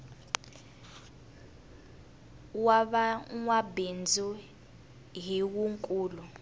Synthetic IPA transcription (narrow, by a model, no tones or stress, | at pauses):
waɓaŋwabind͡zʱu | ɦiwuŋkʼuːlu